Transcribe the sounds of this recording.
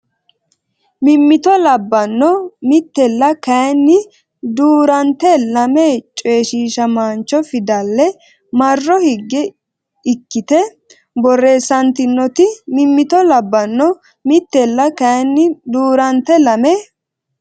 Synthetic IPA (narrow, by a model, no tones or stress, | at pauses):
mɪmːɪt̪ɔlɐbːɐnːɔmɪt̪ːɛlːɐkɐjnːɪ | d̪uːɾɐnt̪ɛlɐmeːt͡ʃʼe̞ːʃiːʃɐmaːnt͡ʃːɔfɪd̪ɐlːɛ | mɐrːɔhɪɡːɛ | ɪkːɪt̪ɛ | bɔrːe̞ːsɐnt̪ɪnːɔt̪ɪmɪmːɪt̪ɔlɐbːɐnːɔ | mɪt̪ːɛlːɐkɐjnːɪd̪uːɾɐnt̪ɛlɐme